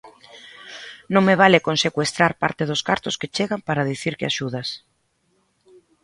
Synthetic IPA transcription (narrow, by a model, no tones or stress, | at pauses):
nõŋmeβ̞alɪkonsekwest̪ɾaɾpaɾt̪ɪðʊskaɾt̪ʊsket͡ʃeɣampaɾaðiθiɾkɪaʃuð̞as